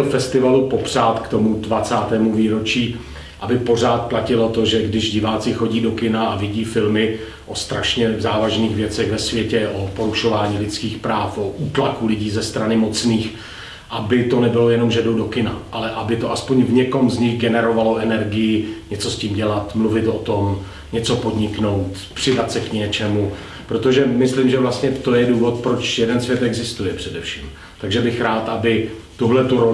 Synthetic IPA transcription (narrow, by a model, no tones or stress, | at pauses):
ɛlfɛst̪ɪvalupo̞pr̥aːt̪kt̪o̞mudvat͡saːt̪ɛːmuviːɾo̞t͡ʃiː | ʔabɪpo̞r̝aːt̪̚placɪlo̞t̪oʒɛɡdɪʒɟɪvaːt͡sɪxo̞ɟiːdo̞kɪnaavɪɟiːfɪlmɪ | ʔo̞st̪ɾaʃɲɛzaːvaʒniːɣvjɛt͡sɛɣvɛsvjɛcɛʔopo̞ɾuʃo̞vaːɲiːlɪt͡skiːxpɾaːfʔoʔuːt̪lakulɪɟiːzɛst̪ɾanɪmo̞t͡sniːx | ʔabɪt̪o̞nɛbɪlo̞jɛno̞mʒɛdowdo̞kɪnaʔalɛʔabɪt̪o̞ʔaspo̞ɲvɲɛko̞mzɲɪɣɡɛnɛɾo̞valo̞ʔɛnɛɾɡɪjɪɲɛt͡so̞sciːmɟɛlat̪mluvɪt̪ʔot̪o̞m | ɲɛt͡so̞po̞dɲɪkno̞wt̪ | pr̝̥ɪdat̪sɛkɲɛt͡ʃɛmu | pɾot̪o̞ʒɛmɪslimʒɛvlast̪ɲɛt̪o̞jɛduːvo̞t̪̚pɾo̞t͡ʃjɛdɛnsvjɛt̪ɛɡzɪst̪ujɛpr̝̥ɛdɛfʃiːm | t̪aɡʒɛbɪxɾaːt̪ʔabɪt̪uɦlɛt̪uɾo